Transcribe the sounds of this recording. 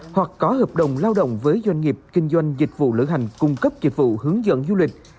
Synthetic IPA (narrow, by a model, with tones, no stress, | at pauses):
hwa˨˩k̚kɔ˨˦həː˨˩p̚ɗə˨˩˨wŋ͡mlaː˧wɗə̰˧˨wŋ͡mvəː˨˦jzwa˧jŋ̟ŋi˨˩əp̚kï˧ŋ̟zwa˧jŋ̟zi˨˩k̟̚vṵ˧˨lɨ̰˧˨ɦa˨˩jŋ̟kʊ˧ŋ͡mkə˦˥p̚zi˨˩k̟̚vṵ˧˨hɨ˨˦əŋzə̰˧˨nzu˧lï˨˩k̟̚